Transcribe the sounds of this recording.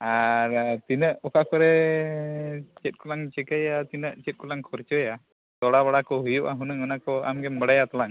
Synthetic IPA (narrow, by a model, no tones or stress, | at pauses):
aɾt̪inəʔɔkakɔɾɛ | t͡ʃɛt̪̚ˀkɔlaŋt͡ʃɛkajat̪inəʔt͡ʃɛt̪̚kɔlaŋkʰɔɾt͡ʃɔja | t̪ɔɽaβaɽakɔɦujuʔaɦunəŋənakɔamɡɛmbəɽajat̪alaŋ